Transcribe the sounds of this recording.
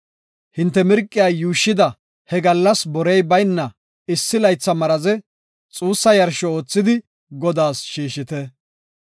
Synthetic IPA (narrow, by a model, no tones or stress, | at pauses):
hɪnt̪ːɛmɪɾkʼːɪjaːjuːʃːɪd̪ɐ | hɛɡɐlːɐsbɔɾɛjbɐjnːɐ | ɪsːɪlɐjt͡sːɐmɐɾɐzɛ | t͡sʼuːsːɐjɐɾʃɔoːt͡sːɪd̪ɪ | ɡɔd̪aːsʃiːʃɪt̪ɛ